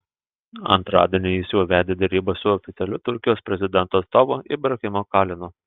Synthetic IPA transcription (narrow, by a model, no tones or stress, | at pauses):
ɐ̰nt̪ɾɑ̰ːd̪ʲiɛnʲɪjɪsjuːʋʲæːd̪ʲeːd̪ʲɛɾʲiːbɐsʊɔːfʲɪt̪sʲɛlʲʊt̪ʊɾʲkʲɪjoːspʲɾʲɛzʲɪd̪ʲɛnt̪uːɐt̪st̪oːʋoʔɪ̰bɾɐkʲɪmoːkɑːlʲɪnʊ